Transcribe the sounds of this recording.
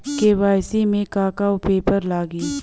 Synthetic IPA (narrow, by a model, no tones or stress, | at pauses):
keʋaːjsimẽkaːkaːopeːpəɾlaːɡi